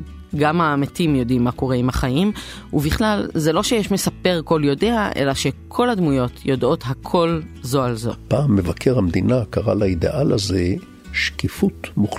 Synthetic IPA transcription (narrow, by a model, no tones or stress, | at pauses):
ɡamaːmetimjo̞dimːako̞ʁeimaχajim | uviχlalzelo̞ʃejeʃme̞sape̞ʁko̞ljo̞deaʔe̞̰laʃe̞kʰo̞ladmujo̞tʰjodʔo̞tɦakʰo̞lzoalzo̞paːmːevakʰeʁamd̪inakaʁa̰laid̪ḛʔalaze | ʃkifut̪muχ